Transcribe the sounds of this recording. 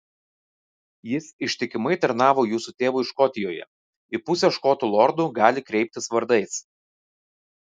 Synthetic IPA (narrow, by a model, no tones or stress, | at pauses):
jɪsɪʃʲt̪ʲɪkʲɪmɐɪt̪ɐɾnɑːʋoːjuːsut̪ʲeːʋʊɪʃkɔt̪ʲɪjoːjɛ̰ | ɪpʊsʲɛʃkoːt̪ulˠɔɾd̪uːɡɑːlʲɪkɾʲɛɪp̚ʲt̪ʲɪsʋɐɾd̪ɐɪs